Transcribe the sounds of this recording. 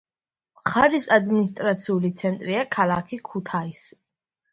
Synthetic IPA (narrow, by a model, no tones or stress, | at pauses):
mχaɾisad̪minist̪ʼɾat̪sʰiulit̪sʰɛnt̪ʼɾiakʰalˠakʰikʰut̪ʰais